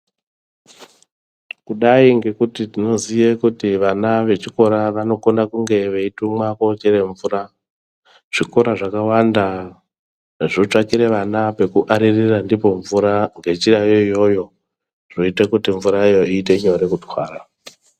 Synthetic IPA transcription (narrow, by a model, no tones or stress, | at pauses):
kuɗaiŋɡe̞kutitino̞zijekutiʋanaʋe̞t͡ʃiko̞ɾaʋano̞ko̞ndakuŋɡe̞ʋeitumwakot͡ʃeɾe̞ɱvuːra | ʐ̥iko̞ɾaʐakawanda | ʐot͡ʂakiɾe̞ʋanape̞kuʔaɾirirandipo̞ɱvuɾaŋɡe̞t͡ʃirajo̞ijo̞jo̞ | ʐ̥o̞itekutiɱvuɾaijo̞iːteɲoɾe̞kutwaːɾa